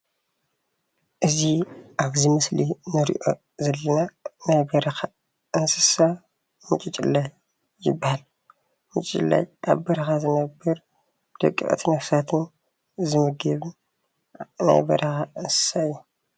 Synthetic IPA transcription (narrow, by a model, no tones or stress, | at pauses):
ʔɨziʔaβzimɨslinɨɾḭʔo̞̰ | zɐlːɐnanajbɐɾɐxa | ʔɨnsɨsa | mɨt͡ʃʼit͡ʃʼilːajː | ɪ̰bːahal | mɨt͡ʃʼt͡ʃʼlːa̰ja̰βbɐɾɐxazɨnɐbːɐɾ | d̪̥ɐ̰kʼːḭkʼt̪ʰinɐfsat̪ʰɨn | zɨmɨɡɐβ | na̰jbɐ̰ɾʔɐxaʔɨnsɨ̥saɨjːu